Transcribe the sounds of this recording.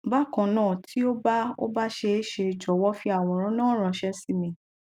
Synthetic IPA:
ba˦˨kã˨nãː˦˨tʰi˦o˦ba˦o̰˦ba˦ʃe˧˦ʃe˧˨d͡ʒɔ˨wɔ˦fi˧a˨w̃ɔ̃˨ɾ̃ã˨˦nãː˦ɾ̃ã˧ʃɛ˧˦si˦mĩ˨

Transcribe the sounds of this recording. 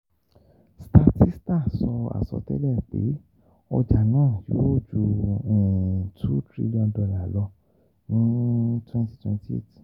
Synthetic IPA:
sta˧ti˦sta˦˨sɔ˧a̰˨sɔ̰˧tɛ̰˦lɛ˦˨k͡pḛ˨˦ | ɔ˧d͡ʒa˨nãː˦˨jo˨˦o˦˨d͡ʒu˧ɛ̃˨tʰu˦tɾḭ˧ljɔ̃˧ndɔ˧la˨lɔ˧ | nĩ˦twɛ̃˦nti̥˦twɛ̰̃˧nti˦ḛ˦t

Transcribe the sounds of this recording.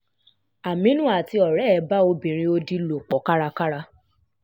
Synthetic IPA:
a˨mĩ˦nũ˦a˨ti˧ɔ˨ɾɛ˨˦˨ba˦o˧bĩ˨ɾ̃ĩ˧o˧di˦lo˨k͡pɔ˨˦ka˦ɾa˧ka˦ɾa˧

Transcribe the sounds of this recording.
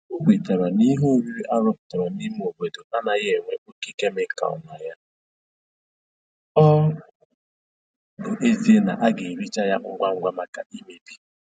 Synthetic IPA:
o˦ɡʷe˨ta˨ɾa˨ni˦ɦu˦ɾi˦ʔa˦ɾʊ˦pʊ̥˨ta˨ɾa˨ni˦m̩˦o˨be˨do˨ʔa˦na˨je˦˨ŋʷe˨ʔo˦ki˦ke˦mɪ˦ka̰˨ɔ̰˨na˨ja˦ | ɔ˦ | bʊ˨ʔe˦zi˦e˦na̰˨ʔa˦ɡe˨ɾi˦t͡ʃa˦ja˦ŋ̩˦˨ɡʷa˦ŋ̩˦ɡ͡bʷa˦ma˦ka̰˨ʔi˦me˨bi˨

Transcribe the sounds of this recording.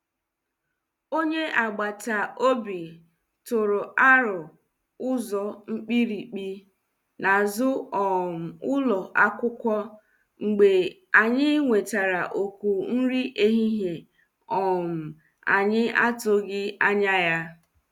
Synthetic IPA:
o˦ɲe˦ʔa˨ɡ͡ba˨ta˨o˦bi˨ | tʊ˨ɾʊ˨ʔa˦ɾʊ˨ | ʊ˦zɔ˨ŋ͡m̩˦k͡pi˦ɾi˨k͡pi˦ | na˨zʊ˦ɔ˨m̩˨ʊ˦lɔ˨ʔa˦kʷʊ˦kʷɔ˦ | ŋ͡m̩˨ɡ͡be˨ | a˨ɲɪ˦ŋʷe˨ta˨ɾa˨ʔo˨kʷu˨n̩˦ɾi˦ʔe˦ɦi˦ɦe˨ | ɔ˨m̩˨ | a̰˨ɲɪ˦ʔa˦tʊ˦ɡɪ˦a˦ɲa˦ja˦

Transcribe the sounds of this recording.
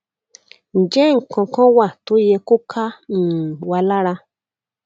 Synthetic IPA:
n̩˨d͡ʒɛ˦ŋ̩˨kɔ̃˨kɔ̃˦wa˨to˨˦je˧ko˦kʰa˦n̩˨wa˧la˦ɾa˧

